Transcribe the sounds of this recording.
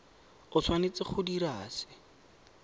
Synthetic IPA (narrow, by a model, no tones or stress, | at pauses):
ʊsʰwanet͡sɪχʰʊdiɾaːsɪ̥